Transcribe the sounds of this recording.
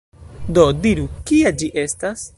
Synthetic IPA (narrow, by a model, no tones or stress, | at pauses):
do̞diɾukiad͡ʒiʔe̞stas